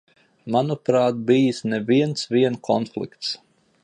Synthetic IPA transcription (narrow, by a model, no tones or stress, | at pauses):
manupɾaːt̪̚bijisnɛviɛnt̪sviɛnkʰɔnflˠḭkt̪s